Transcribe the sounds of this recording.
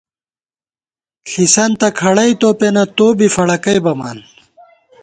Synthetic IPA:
ɬisɐnt̪ɐkʰɐɽɐjt̪oːpenɐt̪oːbifɐɽɐkɐjbɐma̰ːn

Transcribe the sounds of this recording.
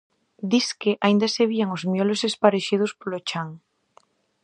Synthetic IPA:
d̪iskeʔaĩnd̪aseβiaŋozmjolosespaɾeʃið̞ospolot͡ʃaŋ

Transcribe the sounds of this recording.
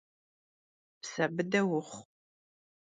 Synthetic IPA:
psɐbɨdɐwʊχʷ

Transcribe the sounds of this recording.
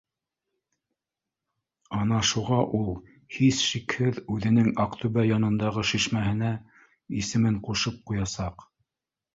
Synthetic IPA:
ɑn̪ɑʃuʁɑʔulˠ | hisʃikhɘðʉðɘ̆nɘŋɑqt̪ɵβæjɑnɤ̆nd̪ɑʁɤʃiʃmæhɘ̆næ | isɘ̆mɘɴquʃɤp̚qujɑsɑq

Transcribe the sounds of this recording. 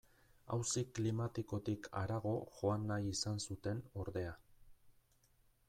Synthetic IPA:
a̰wsiklimat̪iko̞t̪ikʰa̰ɾaɣo̞ʝo̞anːajisansut̪e̞no̞ɾðe̞a

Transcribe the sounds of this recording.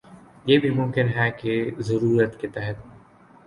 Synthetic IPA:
jeːbʱimʊ̃mkɪnɦɛkezɐɾuːɾət̪ket̪ɛɦət̪̚

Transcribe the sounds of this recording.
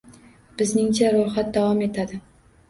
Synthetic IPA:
b̥ɪznɪŋt͡ʃʰaɾoχat̪̚d̪avɒme̞t̪ʰad̪ɪ

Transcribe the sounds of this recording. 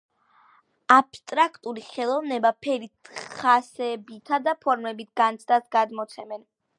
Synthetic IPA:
apst̪ʼɾakʰt̪ʼuɾiχɛlˠɔvnɛbapʰɛɾit̪ʰχasɛbit̪ʰad̪apʰɔɾmɛbit̪̚ʰɡant̪sʰd̪ʼasɡad̪mɔt̪sʰɛmɛn

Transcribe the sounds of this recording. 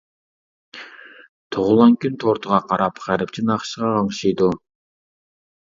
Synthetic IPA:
t̪ʰoʁʊlˠɑŋkʲynt̪ʰoɾt̪ʰəʁɑqʰɑɾɑpχæɾɪpt͡ʃʰinɑχʃəʁɑɑŋʃijd̪u

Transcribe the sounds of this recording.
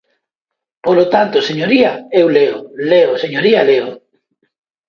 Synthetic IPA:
polot̪ant̪oseɲoɾiɐaewleoleoseɲoɾialeo

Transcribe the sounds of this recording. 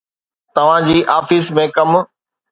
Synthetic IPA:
t̪ɐʋ̤ãd͡ʑiːʔaːfismẽkɐm

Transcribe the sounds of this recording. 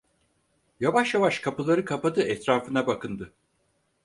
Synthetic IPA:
javaʃjavaʃkʰapɯlˠaɾɯkʰapad̪ɯɛt̪ɾaːfɯnabakʰɯnd̪ɯ

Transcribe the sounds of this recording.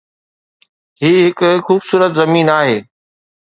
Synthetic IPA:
ɦiːɦɪkxuːbsuːɾət̪zɐmiːnaːɦeː

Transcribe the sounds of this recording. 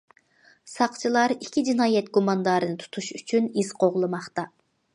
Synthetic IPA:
sɑqt͡ʃʰilˠɑɾikʲʰːid͡ʒinɑːjɛt̪ɡumɑnd̪ɑːɾɨnɨt̪ʰu̥t̪ʰuʃyt͡ʃʰyniz̥qoʁlˠɨmɑχt̪ɑ

